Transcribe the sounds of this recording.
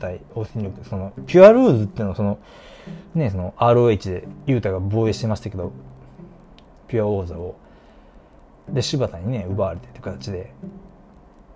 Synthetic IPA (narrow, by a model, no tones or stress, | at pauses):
t̪aioseɲɾʲjokɯ̥so̞no̞pʲiaɾɯːzɨt̪ːeinoso̞no̞ | ne̞so̞no̞ʔaːɾoe̞ːt͡ɕid̪e̞jɯ̟ːt̪aɡabo̞ːeɕi̥t̪emasɕi̥t̪ake̞d̪o̞ | pʲiao̞ːzao̞ | d̪e̞ɕɨbat̪aɲ̟ine̞ɯ̟baβɾe̞t̪et̪ːkat̪at͡ɕid̪e̞